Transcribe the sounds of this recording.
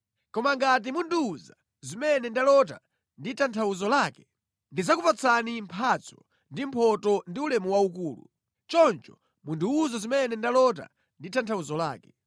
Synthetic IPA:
kɔmaŋɡat̬imunduːza | zimɛnɛndalɔt̬a̰ | nditantʰauzɔlaːkɛ̥ | ndizakupat͡sʰanimpʰat͡sʰɔ̥ | ndim̩pʰɔtɔndiulɛmuwauk̬uːlṵ | t͡ʃɔnt͡ʃɔ | munduuzazimɛnɛndalɔt̬a̰ | nditʰantʰauzɔla̰ːkɛ

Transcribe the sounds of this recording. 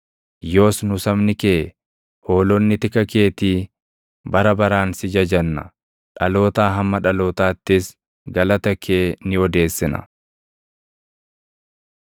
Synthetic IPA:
jo̞ːsnʊsɐmnɪkeː | ho̞ːlɔnːɪt̪ɪkɐke̞ːt̪iː | bɐɾɐbɐɾaːnsɪd͡ʒɐd͡ʒɐnːɐ̰ | ᶑɐlo̞ːt̪aːɦɐmːɐᶑɐloːt̪aːt̪ːɪs | ɡɐlɐt̪ɐkʰeːnɪɔd̪e̞ːsːɪnɐ̰

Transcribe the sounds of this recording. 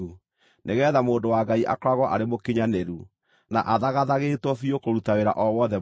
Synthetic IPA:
u | nʔeɣɛːðamoːndowaɡaiʔa̰kɾwaɣwɔʔaɾemokiɲaneɾu | na̰ʔaðaɣaðaɣeːtwɔfiokoɾutaweɾa̰ʔɔwɔðɛ

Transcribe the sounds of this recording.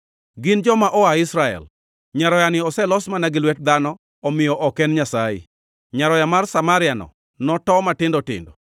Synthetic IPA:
ɡɪnd͡ʒɔmaʔɔaɪsɾaɛ̰l | ɲaɾɔjanɪɔsɛlɔsmanaɡɪlwɛt̚d̪anɔ | ɔmɪjɔʔɔkɛnɲasaɪ̰ | ɲaɾɔjamarsamaɾɪanɔ̰ | nɔtɔmatɪndɔtɪ̰ndɔ

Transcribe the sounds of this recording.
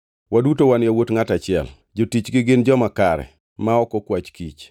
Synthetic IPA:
wadutowanjawotŋatat͡ʃɪɛ̰l | d͡ʒotit͡ʃɡɪɡɪnd͡ʒɔmakaɾɛ̰ | maɔkɔkwat͡ʃkit͡ʃ

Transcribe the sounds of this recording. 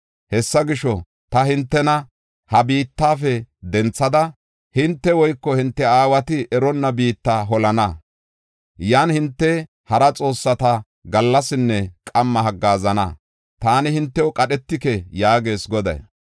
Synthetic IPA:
hɛsːɐɡɪʃɔ | t̪ɐhɪnt̪ːɛnɐ | hɐbiːt̪ːaːfɛd̪ɛnt͡sːɐd̪ɐ | hɪnt̪ːɛwɔjkːɔhɪnt̪ːɛaːwɐt̪ɪʔɛɾɔnːɐbiːt̪ːaɦɔlɐnɐ | jaːnhɪnt̪ːɛ | hɐɾɐt͡sʼo̞ːsːɐt̪ɐ | ɡɐlːɐsɪnːɛkʼɐmːɐɦɐɡːaːzɐnɐ̰ | t̪aːnɪhɪnt̪ːɛwʊkʼɐɗɛt̪ːɪkɛjaːɡe̞ːsɡɔd̪ɐ̰j

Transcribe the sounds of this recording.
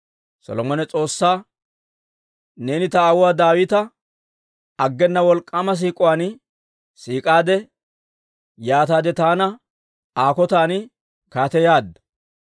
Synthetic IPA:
sɔ̰lɔmɔnɛt͡sʼo̞ːsːaː | ne̞ːnɪt̪ɐːwʊwaːd̪aːwɪt̪ɐ | ɐɡːɛnːɐwɔlkʼːamɐs̬iːkʼʊwaːn | siːkʼaːd̪ɛ | jaːt̪aːd̪ɛt̪aːnɐ | aːkɔt̪aːn | kaːt̪ɛjaːd̪ɐ̥

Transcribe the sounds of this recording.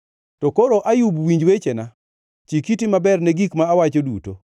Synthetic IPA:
tɔkoɾoʔajubwiɲd͡ʒwet͡ʃena | t͡ʃikitimabɛrnɛɡikmaːwat͡ʃoduto̰

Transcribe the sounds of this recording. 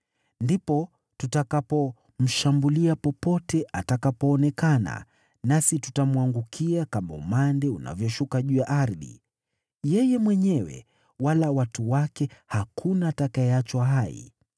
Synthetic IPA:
ndipɔ | tutakapɔ | m̩ʃambuliapɔpɔtɛʔatakapɔːnɛkana̰ | nasitutamwaŋɡukʰiakama̰ṵmandɛuna̰vjɔʃukaʄujaʔaɾðḭ | jɛjɛmwɛɲɛwɛ̰ | walawatuwakɛhakʰunaːtakaɛat͡ʃwaɦaḭ

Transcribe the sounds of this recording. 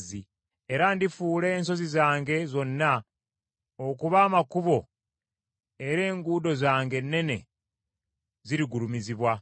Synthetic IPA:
zi | eɾandifuːle̞ːnso̞zizaːŋɡe̞zo̞nːa | okuβaːmakuβo̞ | e̞ɾe̞ːŋɡuːdo̞zaːŋɡe̞nːe̞ne̞ | ziɾiɡuɾumiziβwa

